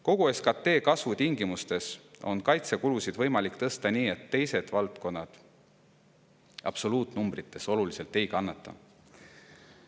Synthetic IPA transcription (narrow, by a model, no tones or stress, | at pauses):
ko̞ɡ̥ue̞skɑt̪ːe̞ːkɑsvut̪iŋɡimust̪e̞so̞̰nkɑjt̪se̞kulusid̪̥vɤ̞jmɑlikːˑt̪ɤst̪ɑniːe̞t̪ːe̞jse̞d̪̥vɑlt̪ko̞nːɑd̪̥ | ɑ̰b̥so̞luːt̪numbrit̪ːˑe̞so̞lulise̞lt̪ːˑe̞jkɑnːɑt̪ːˑɑ̰